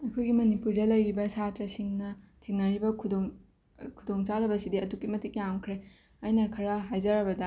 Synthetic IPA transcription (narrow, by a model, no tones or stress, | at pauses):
ɐjkʰojɡimɐnipuɾdɐlɐjɾibɐsatɾɐsiŋnɐtʰeŋnɐɾibɐkʰudoŋ | kʰudoŋt͡ʃadɐbɐsidiɐtukːimɐtik̚jamkʰɾe | ɐjnɐkʰɐɾɐɦajd͡ʒɐɾɐbɐdɐ